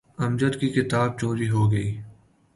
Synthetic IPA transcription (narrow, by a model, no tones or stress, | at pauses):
ɐmd͡ʒət̪kikɪt̪aːb̚t͡ʃoːɾiɦoːɡɐiː